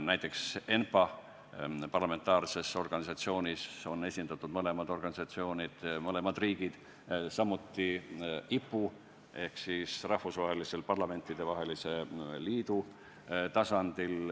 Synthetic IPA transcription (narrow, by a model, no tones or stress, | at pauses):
næjt̪ːˑe̞kse̞npɑ | pɑrlɑme̞nt̪ːˑɑːrse̞so̞rɡ̥ɑnisɑt̪sio̞ːnʲiso̞ne̞sʲind̪ɑt̪ːˑud̪mɤle̞mɑd̪̥o̞rɡ̥ɑnisɑt̪sio̞ːnid̪̥mɤle̞mɑd̪̥riːɡ̥id̪̥ | sɑmːut̪ːiipːu | e̞hksisrɑhfusvɑɦe̞lise̞lpɑrlɑme̞nt̪ːˑid̪̥e̞vɑɦe̞lise̞liːd̪̥u | t̪ɑsɑnd̪̥il